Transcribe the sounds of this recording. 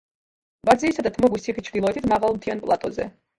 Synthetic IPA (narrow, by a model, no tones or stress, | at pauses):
bad̪ziːsad̪at̪ʰmɔɡwisiχit͡ʃʰd̪ilˠɔɛt̪ʰit̪maʁalˠmt̪ʰianpʼlˠat̪ʼɔzɛ̰